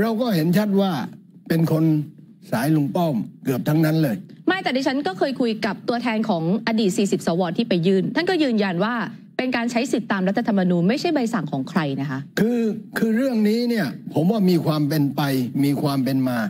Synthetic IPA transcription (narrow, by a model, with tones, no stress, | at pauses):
ɾa˧wkɔː˥˩he˩˦nt͡ɕʰa˦˥˩t̪̚waː˥˩ | pe˧nkʰo˧n | saː˩˦jlu˧˩mpɔ˥˩mkɯ˨˩əp̚t̪ʰa˦˥ŋna˦˥nlɤː˧jma˥˩t̪ɛː˨˩diː˧t͡ɕʰa˦˥nkɔː˥˩kʰɤː˧jkʰu˧jka˨˩p̚t̪u˧ɐt̪ʰɛː˧nkʰɔː˩˦ŋʔa˧diː˨˩t̪̚siː˨˩si˨˩p̚sɔː˩˦wɔː˧nt̪ʰiː˥˩pa˧jːɯː˥˩nt̪ʰa˥˩nkɔː˥˩jɯː˧nja˧nwaː˥˩ | pe˧nkaː˧nt͡ɕʰa˦˥jsi˨˩t̪ːaː˧mɾa˦˥t̪ʰːa˧t̪ʰmːa˧nuː˧nma˥˩jt͡ɕʰa˥˩jba˧jsa˨˩ŋkʰɔː˩˦ŋkʰɾa˧jna˦˥kʰa˦˥ʔkʰɯː˧kʰɯː˧ɾɯ˥˩əŋniː˦˥ni˥˩ɐpʰo˩˦mwaː˥˩miː˧kʰwaː˧mpe˧npa˧jmiː˧kʰwaː˧mpe˧nmaː˧